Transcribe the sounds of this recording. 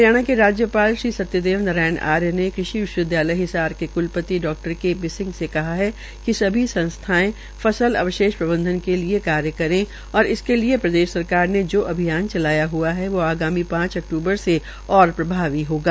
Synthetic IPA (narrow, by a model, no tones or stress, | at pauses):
jaːɽ̃akeɾaːd͡ʒjəpaːlʃɾiːsɐt̪jəd̪eːʋnɐɾaːɪna̰ːɾjənekɾɪʃiʋɪʃwəd̪ʱjaːləjɦɪsaːɾkekʊlpət̪iɖɔːk̚ʈəɾkebɪsɪ̃ŋɡsekɐɦaɦɛ | kisɐbʱisɐ̃nst̪ʰaːẽ | fɐsəlɐ̰ʋəʃeːʃpɾɐbə̃nd̪ʱənkeliekaːɾjəkɐɾẽ | ɔːɾɪskeliepɾɐd̪eːʃsɐɾkaːɾned͡ʒoːʔɐbʱijaːnt͡ʃɐlaːjaɦuaɦɛʋoaːɡaːmipãːt͡ʃɐk̚ʈuːbəɾse | ɔːɾpɾɐbʱaːʋiɦoːɡaː